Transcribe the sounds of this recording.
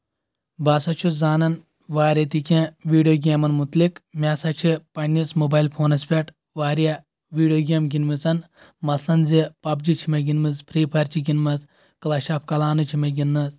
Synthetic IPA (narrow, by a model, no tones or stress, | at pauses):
baːsɐt͡ʃʰuzaːnɐn | ʋaːɾʲɐt̪ikʲẽʋiːɖijoːɡʲeːmɐnmut̪likmʲaːsɐt͡ʃʰipɐnʲːit͡smobaːjlpʰoːnɐspʲeʈ | ʋaːɾjɐ | ʋiːɖijoːɡʲeːmɡʲinmɨt͡sɐn | mɐslɐnzipɐb̚d͡ʒit͡ʃʰimɐɡinmɨzpʰɾiːpʰɐɾt͡ʃʰiɡʲinmɐz | klɐʃaːpʰkɐlaːnɨt͡ʃʰimɐɡʲinːɐz